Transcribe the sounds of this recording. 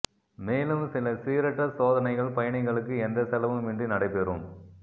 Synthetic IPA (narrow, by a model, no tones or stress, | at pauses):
meːlɯmsɪlɐsiːɾɐʈːɐsoːðɐnɐɪɣɐɭpɐjɐɳɐɪɣɐɭɯkːɯɛnd̪ɐsɐlɐʋɯmʋɪɳɖrinɐɽɐɪpːɛɾum